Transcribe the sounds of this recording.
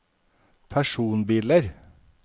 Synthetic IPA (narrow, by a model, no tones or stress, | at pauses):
pʰæʃuːnbiːləɾ